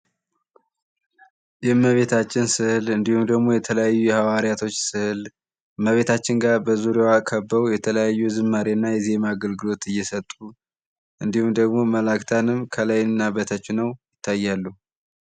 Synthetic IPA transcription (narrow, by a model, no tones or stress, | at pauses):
jɛmːəβe̞t̪ʰat͡ʃːɪnsɨhɨlɨnd̪ihumd̪əɡmo̞jɛt̪ʰələjajːujɛhawaɾijat̪ʰo̞t͡ʃːsɨhɨl | məβe̞t̪ʰat͡ʃːɪnɡaɾbəzuɾewakʰəbːəβjɛt̪ʰələjajːuzɨmːaɾenːajɛze̞maːɡəlɡɨlo̞t̪ɨjːɛsət̪ʼːu | ʔɨnd̪ihumd̪əɡmo̞məlakt̪ʰanɨmkʰəlajnːabət̪ʰat͡ʃːɪnːəwjɪt̪ʰːajːalːu